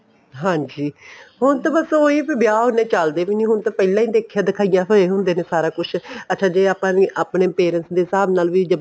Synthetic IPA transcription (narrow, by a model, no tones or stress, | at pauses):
ɦãːd͡ʒiːɦʊnt̪ãːbəsoːiːpibɪjaːɦʊneːt͡ʃəld̪eːʋiːnĩːɦʊnt̪ãːpɛːlãːĩːd̪eːkʰːjaːd̪ɪkʰaːijãːsoeːɦʊ̃nd̪eːneːsaːɾaːkʊt͡ʃʰətːʃʰãːd͡ʒeːaːpãːniːʔaːpneːpeːɾənsd̪eːsaːbnaːlʋiːd͡ʒə